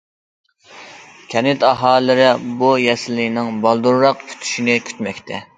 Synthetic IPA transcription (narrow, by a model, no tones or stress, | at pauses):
kʲʰɛnɪt̪ɑɦɑːlːɪɾɪbujɛsɪlːɪnɪŋbɑlˠd̪uɾɾɑqkʰy̥t̪ʰy̥ʃinɪkʲʰy̥t̪mɛkʲt̪ʰɛ